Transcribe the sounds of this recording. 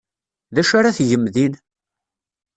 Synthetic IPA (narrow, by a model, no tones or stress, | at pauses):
ðæʃaɾaθʝəmðin